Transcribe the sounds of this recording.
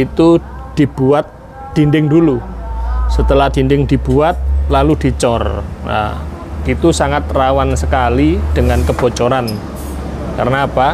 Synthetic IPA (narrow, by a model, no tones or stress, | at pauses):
it̪ud̥i̤b̥uat̪̚ | d̪̥indɪŋdulu | sət̪əlahd̥indɪŋdi̤b̥uat̪̚lalud̥i̤t͡ʃɔrna̰ | it̪usaŋat̪̚rawansəkalid̥əŋankəb̥o̤t͡ʃɔɾan | ka̰rənaːpa